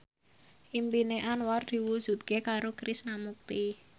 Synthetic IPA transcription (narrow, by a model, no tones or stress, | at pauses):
ʔimpineʔanward̪̥i̤wud̥ʒ̥ṳt̪̚kekaɾokɾisnamuk̚t̪i